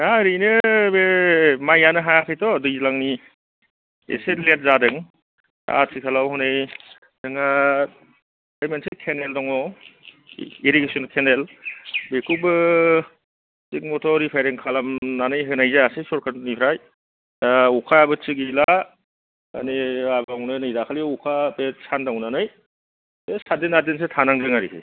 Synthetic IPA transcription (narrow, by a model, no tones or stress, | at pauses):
aɾinɯbemajanɯɦajakʰɯjtɔdɯjzlaŋni | ḛselet̚zadɯŋ | a̰sikʰalawhɔnej | dɯŋa | ajmansekʰeneldɔŋɔ | iɾiɡesɔnkʰenelbekʰubɯ | sik̚mɔtʰɔɾipʰajɾeŋkʰalamnanɯjɦɯnajzaasesɔɾkʰaɾnipʰɾaj | aukʰaabɯt͡ʃik̬ila | a̰niabaŋnɯnɯjdakʰaliukʰapesandaŋnanɯj | besadenadens̬etʰanaŋdɯŋaɾikʰɯ̰j